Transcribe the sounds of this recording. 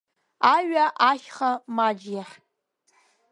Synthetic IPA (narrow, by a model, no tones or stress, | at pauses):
aɥaʔaχʲχamad͡ʒjaħ